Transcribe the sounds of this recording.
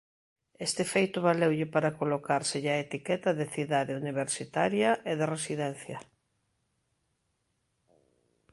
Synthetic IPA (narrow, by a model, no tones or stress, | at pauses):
est̪efejt̪ʊβalewʎɪpaɾakolokaɾsɪʎaet̪ikɛt̪ɐðeθiðaðeuniβ̞eɾsit̪aɾjɐʔeðeresiðɛn̟θjɐ